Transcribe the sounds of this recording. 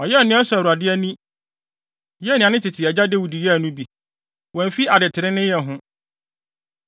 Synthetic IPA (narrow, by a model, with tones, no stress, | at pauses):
ɔ˨jɛ˦˨nɪ̃˦ɛ˦sʊ˨ɾu˨a˨dɪ˦æ˦nĩ˦ | jɛ˦nɪ̃˨a˨nɪ̃˦tʰɪ˨tʰɪ˨ɛ˨d͡ʑa˦de˦wu˨di˨jɛ˦æ˨nũ˦bi˨ | wɔ̃˨m˨fi˦ʔa˨dɪ˨tʰɪ˨ɾɪ̃˦nɪ̃˦jɛ˨ɦʊ̃˦